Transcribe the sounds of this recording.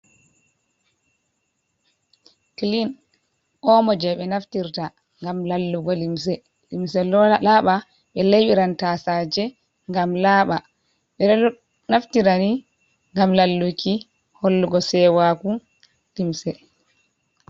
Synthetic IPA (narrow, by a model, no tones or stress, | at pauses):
klin | ʔɔmɔd͡ʒɛɓɛnaftiɾta | ŋɡamlalːuɡɔlims̬ɛ | limsɛlɔlalaɓa | ɓɛlejɓiɾantasad͡ʒɛ | ŋɡamlaːɓa | ɓɛ | naftiɾani | ŋɡamlalːukʰi | hɔlːuɡɔsɛwaku | limsɛ